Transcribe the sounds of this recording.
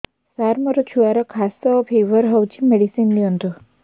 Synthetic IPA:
saɾməɾɔt͡ɕʰuaɾəkʰast̪ɔpʰeʋəɾɦəwt͡ɕimeɽisinliənt̪u

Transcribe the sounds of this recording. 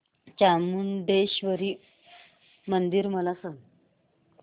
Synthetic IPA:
t͡ɕamund̪eɕʋəɾiː | mənd̪iɾməlasən

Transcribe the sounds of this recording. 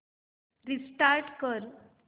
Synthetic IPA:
ɾisʈaɾʈkəɾ

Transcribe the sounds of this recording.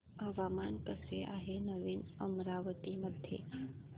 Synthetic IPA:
əʋaːmaːnkəseʔaːɦenəʋinəmɾaːʋət̪iməd̪ʱjḛ

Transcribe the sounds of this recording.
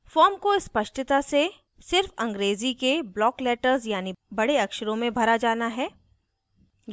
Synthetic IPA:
fɔːɾmkoɪspɐʃʈɪt̪ase | sɪɾfɐ̃ŋɡɾeːzikeblɔːklɛːʈəɾzjaːnibɐɽeɐkʃəɾõmẽbʱɐɾad͡ʒaːnaɦɛː

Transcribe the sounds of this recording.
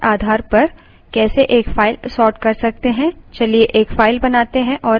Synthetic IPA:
aːd̪ʱaːɾpɐɾ | kɛːseʔeːkfaːɪlsɔːɾʈkɐɾsɐk̚t̪eɦɛ̃t͡ʃɐlieʔeːkfaːɪlbɐnaːt̪eɦɛ̃ʔɔː

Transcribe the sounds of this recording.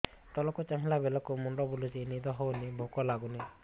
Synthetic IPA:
t̪ɔlɔkut͡ʃaŋilabɛlɔkumunɖɔbulusinid̪ɔɦɔwnibʱukɔlaɡuni

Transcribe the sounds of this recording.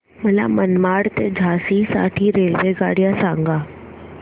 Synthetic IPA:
mɐla̰mənmaːɽt̪ed͡ʒʱaːsisa̰ːʈʰiɾeːlʋeɡa̰ːɽijasãːŋɡaː

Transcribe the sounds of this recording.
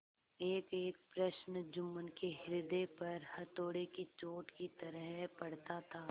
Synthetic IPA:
eːkeːk̚pɾɐʃnd͡ʒʊmːənkeɦɪɾd̪epɐɾhɐɾt̪oːɽekit͡ʃoːʈkit̪ɐɾəɦpɐɽt̪at̪ʰaː

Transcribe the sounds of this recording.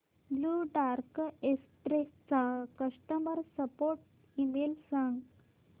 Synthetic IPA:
bluɖaɾkesʈɾest͡sakəsʈəməɾsəpoɾʈ | imelsãŋɡ

